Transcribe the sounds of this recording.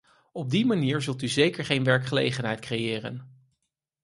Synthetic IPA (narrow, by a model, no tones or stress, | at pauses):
ɔb̚dimaniːɹzɵlˠtyzejkəɹχejnʋɛɹkχəlḛjχənɦɛjtkrejɪːrə̰n